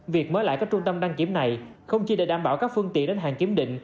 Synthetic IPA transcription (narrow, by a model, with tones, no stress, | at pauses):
vi˨˩ək̚məː˨˦jla̰ː˧˨kaː˦˥k̚t͡ɕʊ˧ŋ͡mt̪ə˧mɗaː˧ŋki˨˦əmna˨˩jxə˧wŋ͡mt͡ɕi˧ɗə̰˧˩ɗaː˧˩mɓaː˧˩wkaː˦˥k̚fɨ˧əŋt̪ḭ˧˨ənɗe˨˦nɦaː˨˩ŋki˨˦əmɗḭ̈˧˨ŋ̟